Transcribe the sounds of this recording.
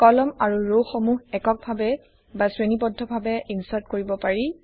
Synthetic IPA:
kɔlɔmaɹuɹowxomuɦɛkɔk̚bʱabɛ | basɹenipɔdʱːɔbʱabɛinsaɹtkoɹibɔpaɹi

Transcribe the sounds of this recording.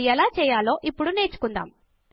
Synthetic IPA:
jɐlaːt͡ʃɛːjaːlo̞ːʔipːuɽune̞ːt͡ʃu̥kund̪a̰ːm

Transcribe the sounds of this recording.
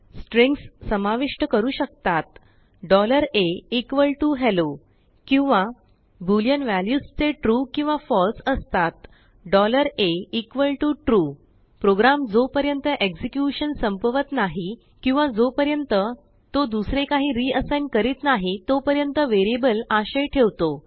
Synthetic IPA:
sʈɾẽŋkssəmaʋiʂʈəkəɾuːɕək̚t̪at̪ | ɖɔləɾeikʋəlʈuɦɛlo | kĩw̃ʋa | buljənʋæljust͡seʈɾukĩw̃ʋafɔlsəst̪at̪ | ɖɔləɾeikʋəlʈuʈɾu | pɾoɡɾamd͡zopəɾjənt̪əʔeksikjuɕənsəmpəʋət̪naɦi | kĩw̃ʋad͡zopəɾjənt̪ə | t̪od̪usɾekaɦiːɾiəsajnkəɾiːt̪naɦit̪opəɾjənt̪əʋeɾebəlaɕəjʈʰeʋt̪o

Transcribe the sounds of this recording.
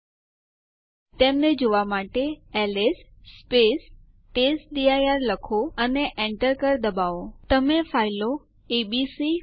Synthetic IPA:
t̪emned͡ʒoʋamaʈeelesːpes | ʈesɗ̪iajaɾləkʰoəneʔẽɳʈəɾkəɾd̪əbaʋot̪əmẽfʰaɪlo | eɓisi

